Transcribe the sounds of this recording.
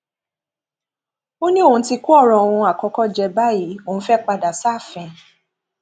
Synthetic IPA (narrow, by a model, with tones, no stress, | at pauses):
o˦nĩ˦o˦˨ũ˨˧˦ti˧ku˦ɔ˦˨ɾɔ̃˨õ˨ũ˧a˨kɔ˧˦kɔ˦d͡ʒɛ˧ba˦ji˨˦õ˨˦fɛ˦k͡pa˧da˨sa˦˨fɛ̃˨˧˨